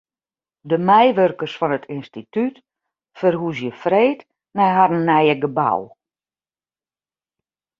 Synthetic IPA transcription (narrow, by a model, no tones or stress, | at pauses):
dəmɛjʋørkərsfɔnətʰɪnstityt | fərhusjəfreːt | nɛjɦarənːɛjəɡəba̰w